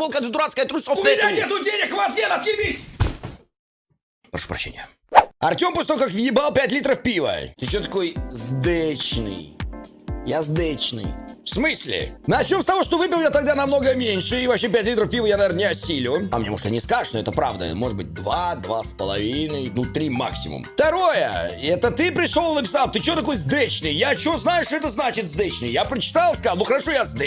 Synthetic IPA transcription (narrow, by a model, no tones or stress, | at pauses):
bolˠkənʲɪt̪ʊɾat̪skəjət̪ɾusʲoʊmɪnʲaet̪ʊdʲenʲɪkvɐzjʲenɐt̪kʲɪmʲisʲ | pɾɐʂu̥pɾɐɕːḛnʲɪjə | ɐrtʲo̞mposʲt̪ojkakvjɪbalˠpʲætʲlʲit̪ɾəfpʲivə̰t̪ɪt͡ɕot̪ɐko̞jzd̪ɛt͡ɕnɨ̰j | jazd̪ɛt͡ɕnɨ̰jfsmɨsʲlʲɪ̰nɐɐt͡ɕʲomst̪ɐvo̞ʂt̪ovɨpʲɪlˠjat̪ɐɡ̚d̪anɐmno̞ɡəmʲenʲʂɨivɐpɕepʲætʲlʲit̪ɾəfpʲivəjanɐvʲernənʲɪɐsʲilʲɪa̰mɲʲemoʂt̪ɨnʲɪskaʐɨ̥ʂnoɛ̰t̪əpɾavd̪ə̰mo̞ʐɨd̪̚bɨ̰t̚ʲd̪vad̪vaspəlˠɐ̰vʲinəjnut̪ɾʲima̰ksʲɪmʊ̰mft̪ɐɾo̞jə̰ɛt̪ət̪ɨpɾʲɪʂolˠnəpʲɪ̥salˠt̪ɨt͡ɕɪot̪ɐko̞jzd̪et͡ɕnɨjjat͡ɕɪvoznajɪʂt̪oɛt̪əznat͡ɕɪt̪zd̪et͡ɕnɨjapɾət͡ɕɪ̥t̪alˠskalˠnuxəɾɐʂo̞jazd̪